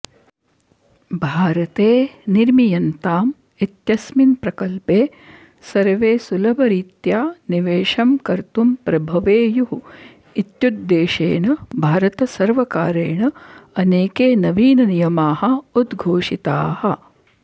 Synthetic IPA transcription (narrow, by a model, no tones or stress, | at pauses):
bʱaːɾɐt̪eːniɾmijɐnt̪aːm | it̪jɐsminpɾɐkɐlpeː | sɐɾʋeːsulɐbɐɾit̪jaːniʋeːʃɐmkɐɾt̪umpɾɐbʱɐʋeːjuɦu | it̪jud̪ːeːʂḛːnɐbʱaːɾɐt̪ɐsɐɾʋɐkaːɾeːɳɐɐneːkeːnɐʋiːnɐnijɐmaːhɐ̆ud̪ɡʱoːʂit̪aːhɐ̆